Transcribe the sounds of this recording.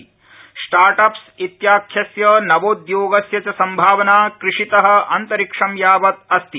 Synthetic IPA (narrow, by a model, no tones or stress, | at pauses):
sʈaːɾʈɐps | it̪jaːkʰjɐsjɐnɐʋoːd̪joːɡɐsjɐt͡ʃɐsɐmbʱaːʋɐnaːkɾɪʂit̪ɐɦɐ̆ʔɐnt̪ɐɾikʂɐmjaːʋɐt̪̚ɐst̪i